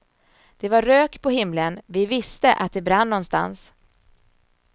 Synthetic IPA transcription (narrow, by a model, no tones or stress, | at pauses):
d̪̥ɛvaːøːkpʰɔɦɪmlənvɪvɪst̪əʔa̰t̪̚d̪ɛbɾanːɔnst̪a̰ns